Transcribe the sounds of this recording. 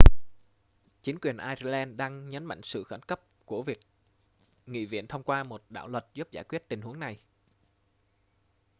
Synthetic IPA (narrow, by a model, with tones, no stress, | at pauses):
t͡ɕi˨˦ŋ̟kwi˨˩ənʔaː˧jzlɛ˧nɗaː˧ŋɲə˨˦nma̰˧˨jŋ̟sɨ̰˧˨xə˧˩nkə˦˥p̚ku˧˩əvi˨˩ək̚ | ŋḭ˧˨vḭ˧˨ənt̪ʰə˧wŋ͡mkwaː˧mo˨˩t̚ɗa̰ː˧˨wlwə˨˩t̚zu˦˥p̚zaː˧˩jkwi˦˥ət̚t̪i˨˩ŋ̟hu˨˦əŋna˨˩j